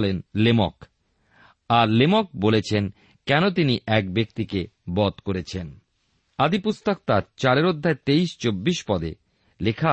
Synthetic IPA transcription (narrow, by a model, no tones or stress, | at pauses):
lenlemɔ̰k | aɾlemɔk̚bolet͡ɕʰen | kɛnot̪̬iniʔɛk̚bekt̪ikebɔt̪koɾet͡ɕʰen | ad̪ipust̪ok̚t̪aɾt͡ɕaɾeɾod̪ʱːaet̪ejʃt͡ɕobːiʃpɔd̪ḛ | lekʰa